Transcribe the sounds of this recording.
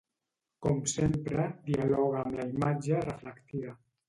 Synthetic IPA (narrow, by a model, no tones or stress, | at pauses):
komsempɾəd̪ialɔɣaːmlaimad͡ʒərəfləkt̪iβa